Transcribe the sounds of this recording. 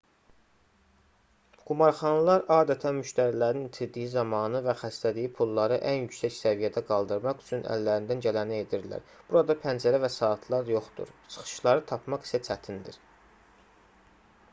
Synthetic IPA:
ɡ̥umɑɾχɑnlˠɑɾɑːd̪æt̪ʰænmyʃt̪æɾilæɾint̪ʰiɾd̪ijizɑmɑnɯvæxæst̪æd̪ijipʰulˠːɑɾɯʔænjycsæcsævijæd̪æɡɑlˠd̪ɯɾmɑχyt͡ʃʰynʔæ̰lːæɾind̪ænɟælænæe̞d̪iɾlæ̰ɾb̥uɾɑd̪ɑpʰænd͡ʒæɾævæsɑːt̪ʰlˠɑɾjo̞χd̪ṵɾt͡ʃʰɯ̥χɯ̥ʃlˠɑɾɯt̪ʰɑpmɑχi̥sæt͡ʃʰæt̪ʰind̪ḭɾ

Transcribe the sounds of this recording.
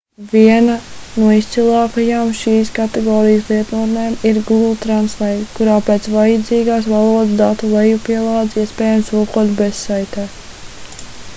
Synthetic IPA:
vʲiɛnɐnuɔist̪silˠaːkajaːmʃiːskat̪ɛɡɔːɾijəs̬lˠiɛt̪nuɾneːmiɾɡuɡulˠt̪ɾanslˠɛjt̪kuɾaːpeːt̪svajəd̪ziːɡaːsvalˠuɔd̪sd̪at̪ulˠɛjupiɛlˠaːd̪ziɛspɛːjamsukuɔt̪bessajt̪ɛːt̪

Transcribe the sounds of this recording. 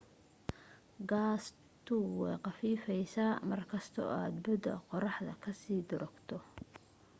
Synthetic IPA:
ɡaːs | t̪ʰʊwɛjqɑfiːfɛjsaːmɐrkʰɐst̪ʰɔ̰aːd̪bʊd̪ɐ̰qɔɾɑħd̪ɐ̰kʰɐsiːd̪ʊɾɔɡ̥t̪ʰɔ

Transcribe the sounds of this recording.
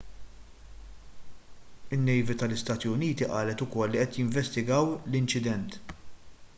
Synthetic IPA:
ɪnːɛjvit̪ɐlɪst̪ɐːt̪iʊniːt̪iʔɐːlɛt̪ʊkɔlːiʔɛt̪jɪɱvɛst̪ɪɡɐwlɪnt͡ʃɪd̪ɛnt̪

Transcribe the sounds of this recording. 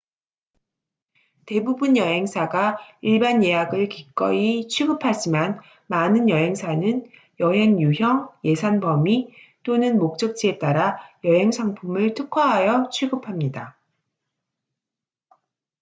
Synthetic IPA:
te̞bubunjʌɦe̞ŋsʰaɡaiɭbanje̞jaɡɯɭkik͈ʌit͡ɕʰɥiɡɯpʰad͡ʑiman | manɯnjʌɦe̞ŋsʰanɯn | jʌɦe̞ŋjuçjʌŋje̞sʰanbʌmi | t͈onɯnmok̚t͡ɕ͈ʌk̚t͡ɕ͈ie̞t͈aɾajʌɦe̞ŋsʰaŋpʰumɯɭtʰɯkʰʌɦajʌt͡ɕʰɥiɡɯpʰamɲida

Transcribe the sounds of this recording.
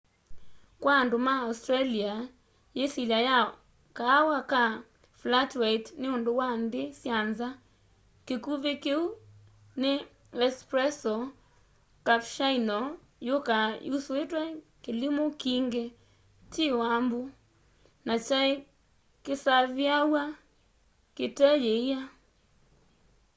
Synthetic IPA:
kwaːndomaːustɾalia | jesilaja | kaːwaka | flatwaitneondowandesjanza | kekuβekeu | ne | ɛspɾɛsɔ | kapʃainɔ | jokajuswetwɛ | kelimokiŋɡe | tewambu | nat͡ʃae | kesaβjawa | ketɛjeia

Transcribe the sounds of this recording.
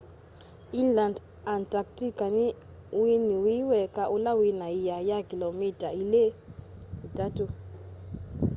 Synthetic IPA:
iland | antʼaktikani | winiwiwɛkaʔulawinaijajakilomitʼaile | itatu

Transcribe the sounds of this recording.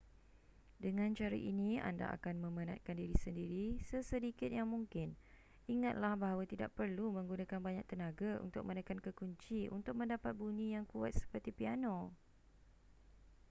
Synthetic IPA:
dəŋãnt͡ʃaɾḭʔinĩa̰nda̰ʔa̰kanmə̃məna̰t̪̚kandiɾisəndiɾisəsədikɪt̪̚jaŋmuŋkɪn | iŋat̪̚lahbaɦawat̪ida̰ʔ̚pərlumə̃ŋɡunakanbaɲak̚t̪ənãɡaṵnt̪ʊk̚mə̃nəkankəkuɲt͡ʃiʔṵnt̪ʊk̚mə̃ndapat̪̚bunĩjaŋkua̰t̪̚sə̥pərt̪ipiano

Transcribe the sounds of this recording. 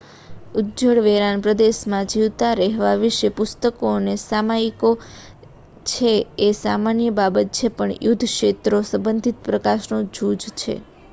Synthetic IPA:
udd͡ʒəɽʋeɾanpɾəd̪eʃmãd͡ʒiʋt̪aɾɛɦʋaʋiʃepʊst̪əkonesamaiko | t͡ʃʰeːsamanjəbabət̪̚t͡ʃʰepəɳjud̪ʱʃet̪ɾosəmbənd̪ʱit̪̚pɾəkaʃnõd͡ʒud͡ʒt͡ʃʰḛ

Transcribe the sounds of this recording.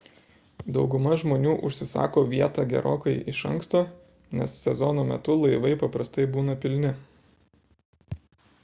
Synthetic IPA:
d̪ɒʊɡʊmɐʒmoːnʲuːʔʊʃʲsʲɪsɑ̰ːkoːʋʲiɛt̪ɑːɡʲɛ̰ɾo̰ːkɐɪʔɪʃɐŋkst̪oː | nʲɛ̰sːʲɛzɔnoːmʲɛ̰t̪ʊlˠɐɪʋɐɪpɐpɾɐst̪ɐɪbuːnɐpʲɪlʲnʲɪ

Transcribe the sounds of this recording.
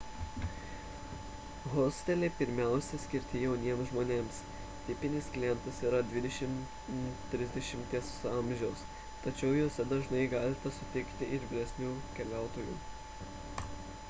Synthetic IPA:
ɣosʲt̪ʲɛlʲeːpʲɪɾʲmʲæˑʊsʲɛsʲkʲɪɾʲt̪ʲɪjɛʊnʲiɛmsʒmoːnʲeːms | t̪ʲɪpʲɪnʲɪsklʲɪjɛnt̪ɐsiːɾɐd̪ʲʋʲɪd̪ʲɛʃʲɪm | t̪ʲːɾʲɪzʲd̪ʲɛʃʲɪmʲt̪ʲiɛsɐˑmʲʒʲɛʊs | t̪ɐt͡ʃʲɛʊjoːsʲɛd̪ɐʒnɐɪɡɑːlʲɪt̪ʲɐsʊt̪ʲɪkt̪ʲɪʔɪɾʲʋʲɪlʲɛsʲnʲuːkʲɛlʲæˑʊt̪oːjṵː

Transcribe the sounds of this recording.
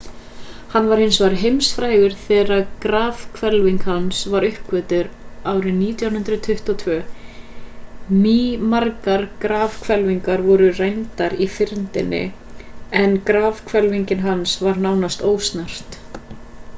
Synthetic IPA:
hanːvaɾhɪnsvaɾɦejmsfɾaːjɣʏɾ̥θɛːɾaðkɾaːv̥kʰvɛlviŋkhansvaɾʏhkvɛːt̪ʏɾaːwɾɪniːt̪jawnɦʏnt̪ɾʏt̪ʰʏht̪ɔt̪ʰvœː | mimaɾkaɾkɾaːvkʰvɛlviŋkaɾvɔɾʏrejnt̪aɾifɪɾnt̪ɪnːɪ̰ | ɛnkɾaːvkʰvɛlviɲcɪnɦansvaɾnaːwnast̪oːwst̪nar̥t̪

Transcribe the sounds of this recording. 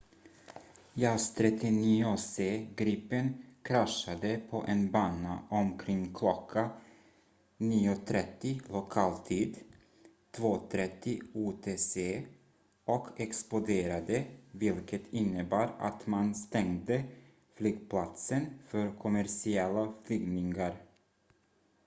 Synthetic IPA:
jast̪ʰɾɛt̪ːɪniːʊseːɡɾiːpːənkʰɾaʂad̪əpʰɔʔɛnbɑːnaʔɔmkʰɾɪŋːkʰlɔkʰːa | niːʊt̪ʰɾɛt̪ːɪlʊkʰɑːlt̪ʰiːd̪ | t̪ʰvoːt̪ʰɾɛt̪ːɪuːt̪ʰeːseː | ɔkʰɛksplʊd̪eːɾad̪əvɪlkʰət̪ʰɪnːəbɑːɾa̰t̪manst̪ɛŋd̪ə | flyːɡpʰlat̪sənfœɾkʰʊmæɾsɪɛlːaflʏɡnɪŋaɾ

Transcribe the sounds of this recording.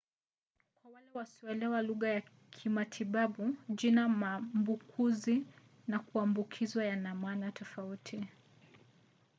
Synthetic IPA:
kwawalɛwasiɔɛlɛwaluɣaja | kʰimatʰiɓaɓuʄinamambukʰuzi | nakuambukʰizwajanamanatɔfautʰi

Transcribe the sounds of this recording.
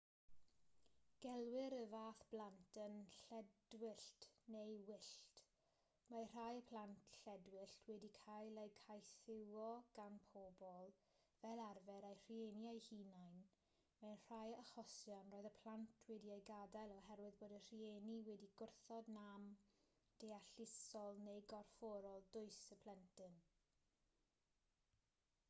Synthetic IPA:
ɡ̥ɛlˠwɪɾəvaːθb̥lˠantʰənɬɛdwɪɬtnejwɪɬt | mar̥ajəpʰl̥antʰɬɛdwɪɬtʰwɛdikʰajlejkʰajθɪwɔɡ̥anpʰobɔlˠ | vɛlˠarvɛɾejr̥ienjajhiːnajn | mɛnr̥ajəχɔsjɔnroːɨðəpʰlantʰwɛdiejɡadalˠɔɦɛrwɪðboːdər̥ieniwɛdiɡʊrθɔdnam | d̥ejaɬɪsɔlˠnejɡɔrfɔɾɔlˠdʊɨsəpʰlˠɛntɨn

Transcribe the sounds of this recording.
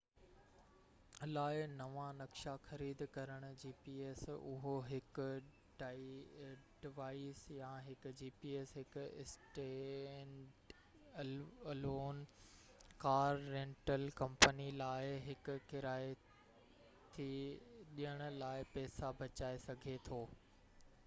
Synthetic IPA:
laːɪnɐʋanɐkʃaxɐɾiːd̪kɐɾəɽ̃ʊ̆d͡ʑiːpiːeːsʊ̰ɦoɦɪkʊ̆ | ɖa | ɖɪʋaːɪsjãɦɪkʊ̆d͡ʑiːpiːeːsɦɪkʊɪ̰sʈe | ɖ | ɐloːn | kaːɾːẽːɳʈəlkɐ̃mpənilaːɪɦɪkʊ̆kɪɾaːe | t̪ʰiɗijəɽ̃ʊ̆laːɪpɛːsabɐt͡ɕaːesɐɡʱet̪ʰoː

